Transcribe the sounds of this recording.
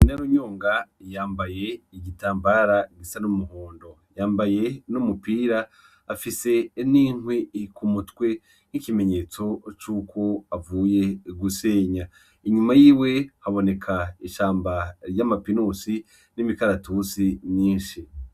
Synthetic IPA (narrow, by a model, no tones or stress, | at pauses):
inaɾoɲoːŋɡajaːmbaje̞iɟitaːmbaːɾaɡisanumuɦoːndo̞ | jaːmbaje̞numupiːɾaː | fise̞niŋwikumutwe̞ | nikime̞ɲe̞ːt͡so̞t͡ʃuːkʰo̞avuːje̞ɡuse̞ːɲa | iɲumajiːwe̞haβo̞ne̞kʰaiʃaːmbaɾjamapinusi | nimikaɾatusiɲiːnʃi